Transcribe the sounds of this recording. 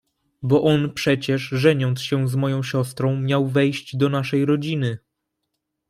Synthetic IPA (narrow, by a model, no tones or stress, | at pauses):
bɔʔɔnpʂɛt͡ɕɛʂʐɛɲɔnt̪sɕɛzmɔjɔ̃w̃ɕɔst̪ɾɔ̃w̃mʲjawvɛjɕd͡ʑd̪ɔnaʂɛjɾɔd͡ʑinɘ